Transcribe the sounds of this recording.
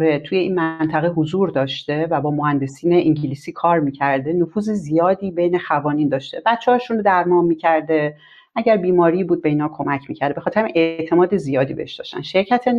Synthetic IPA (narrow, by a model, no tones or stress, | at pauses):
ɾet̪ʰuje̞iːnmænt̪ʰæɣeɦozuːɾd̪ɒːʃt̪e̞væbɒːmohænd̪e̞siːneʔiŋɟiliːsiːkʰɒːɾmiːcʰæɾd̪e̞nofuːzezijɒːd̪iːbe̞jne̞xævɒːniːnd̪ɒːʃt̪e̞bæt̪t͡ʃʰːehɒːʃunɾod̪æɾmɒːmmiːcʰæɾd̪e̞ | ʔæɟæɾbiːmɒːɾiːbuːd̪̚be̞iːnhɒːkʰo̞mæcʰmḭːcʰæɾd̪ebe̞xɒt̪ʰeɾæʔe̞t̪ʰe̞mɒːd̪e̞zijɒːd̪iːbeheʃd̪ɒ̰ːʃt̪æ̰nʃe̞ɾcʰæt̪ʰe